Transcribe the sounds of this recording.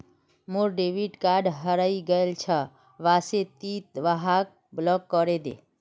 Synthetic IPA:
moɾɖeʋiʈkaɖɦəɾaiɡəelt͡ʃʰə | ʋaset̪it̪̚ʋaɦak̚ | blɔkːɔɾed̪ḛ

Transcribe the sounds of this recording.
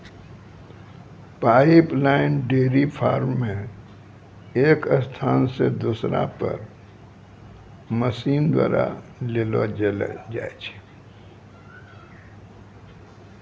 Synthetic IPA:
paːiplaːɪnɖeːɾipʰaːɾmːẽ | eːkəst̪ʰaːnsḛd̪usɾã̰pə̰ɾ | məsiːnd̪wa̰ːɾa̰lelo̰d͡ʒaːet͡ʃʰe̥

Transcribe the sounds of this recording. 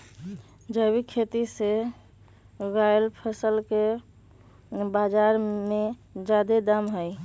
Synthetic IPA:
d͡ʒəbikʰet̪ise | ɡajlpʰəsəlke | bad͡ʒaɾmed͡ʒad̪ed̪amɦəj

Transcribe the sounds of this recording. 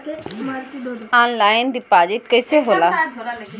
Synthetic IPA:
aːnlaːɪnɖiːpaːd͡ʒɪʈ̚kəɪseɦoːlaː

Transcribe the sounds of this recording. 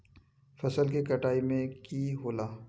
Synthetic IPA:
fɐsəlkikɐʈaːimẽkiːɦoːlaː

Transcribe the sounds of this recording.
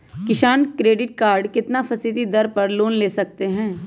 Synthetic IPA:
kɪʃaːnkɾeːɖɪʈ̚kaːɾɖkɪt̪nafʰɐsit̪id̪ɐɾpɐɾloːnleːsɐk̚t̪eɦɛ̃ː

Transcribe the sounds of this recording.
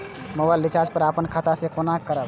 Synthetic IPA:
mobaɪlːit͡ʃad͡ʒpəɾapənkʰat̪asẽkonakːəɾəl

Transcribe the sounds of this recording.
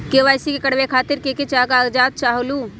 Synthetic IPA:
keʋaːjsikekəɽʋekʰaːt̪ɪɾkeket͡ʃaːɡaɡd͡ʒaːt̪̚t͡ʃaːɦolu

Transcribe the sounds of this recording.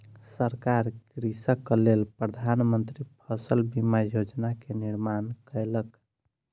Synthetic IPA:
səɾkaɾkɾisəkːlelpɾəd̪ʱanmənt̪ɾipʰəsəlbimajod͡ʒnakeniɾmankəjlək

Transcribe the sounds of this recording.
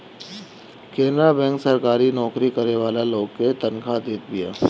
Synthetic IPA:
kẽːnd̪ɾabɛ̃ːŋksɐɾkaːɾinɔːkɾikɐɾeʋaːlaloːɡket̪ɐnkʰad̪eːt̪̚bija̰ː

